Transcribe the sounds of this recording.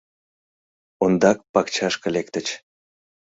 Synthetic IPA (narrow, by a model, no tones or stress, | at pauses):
ond̪ɑk̚pɑkt͡ɕɑʃkə̆lek̚t̪ə̆t͡ɕ